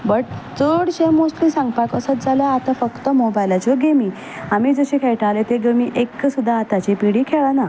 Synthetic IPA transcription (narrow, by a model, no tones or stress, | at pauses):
bəʈ̚t͡səɽɕemosʈlisãŋɡpakəsət̪̚d͡zalaat̪afəkt̪əmobajlat͡ɕoɡemiː | amiːd͡zəɕikʰejʈalet̪eɡəmiʔekːsud̪ʱːaːt̪at͡ɕipiɽiːkʰeɭana